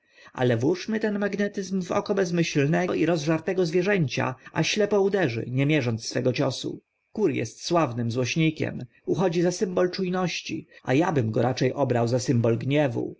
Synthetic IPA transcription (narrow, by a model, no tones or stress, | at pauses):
a̰lɛvwuʂmɘt̪ɛnmaɡnɛt̪ɘzmvɔ̰kɔbɛzmɘɕlnɛiɾɔzʐaɾt̪ɛɡɔzvʲjɛʐɛɲt͡ɕa̰aɕlɛpɔud̪ɛʐɘ̰ɲɛmʲjɛʐɔnt̪sfɛɡɔt͡ɕɔsṵ | kuɾjɛ̰st̪swavnɘmzwɔɕɲikʲɛ̰m | uxɔd͡ʑizasɘmbɔlt͡ʂujnɔɕt͡ɕia̰jabɘmɡɔɾat͡ʂɛjʔɔbɾawzasɘmbɔlɡɲɛvṵ